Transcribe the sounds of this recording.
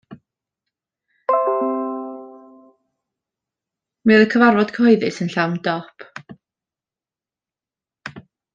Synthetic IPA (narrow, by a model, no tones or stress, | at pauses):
mɨðəkʰəvarvɔd̥kʰəɔɨðɨsənɬawndɔpʰ